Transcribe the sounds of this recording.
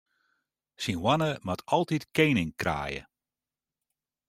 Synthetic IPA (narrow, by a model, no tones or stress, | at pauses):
sinwanəmatʰɑlˠtitkejnɪŋkra̰ːjə̰